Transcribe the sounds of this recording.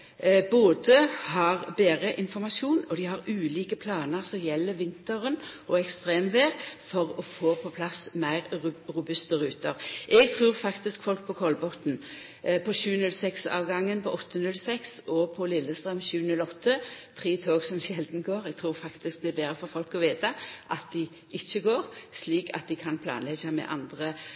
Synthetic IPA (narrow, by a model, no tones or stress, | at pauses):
boːd̪əhɑʁbeːʁəʔɪnfɔɾmɑʃuːnɔd̪ɪhɑʁʉːliːkəpʰlɑːnəʁsɔmjɛlːəʋɪnt̪əʁənʔɔɛkst̪ʁeːmʋeːʁfɔʁɔfoːpʰɔpʰlɑsmæɪʁɾʊbʉst̪əɾʉːt̪əɾʔɛɡt̪ʰʁʉːʁfɑkt̪ɪskfɔlk̚pʰɔkʰɔlbɔt̪n̩ | pʰɔɕʉːənʉlsɛksɑ̰ːʋɡɑŋːənpʰɔʔɔt̪ʰːənʉlsɛksɔpʰɔlɪlːəst̪ʁœmɕʉːnʉlɔt̪ʰːəpʰʁiːt̪ʰoːɡsɔmɕɛld̪n̩ɡoːʁɛɡ̚t̪ʰʁuːʁfɑkt̪ɪsk̚d̪ɛbeːʁəfɔɾfɔlkɔʋeːt̪ɑʔɑt̪̚d̪ɪ | ɪçəɡoːʁsliːkʰɑ̰t̪̚d̪ɪkʰɑnpʰlɑ̰ːnlɛɡɑmɛ̰ʔɑ̰nd̪ʁə